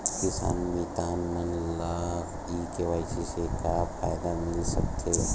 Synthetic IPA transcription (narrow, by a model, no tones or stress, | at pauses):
kɪsa̰ːnbit̪aːnmənlaːɣ | ikeʋaːɪsisekapʰajd̪amɪlsək̚t̪ʰe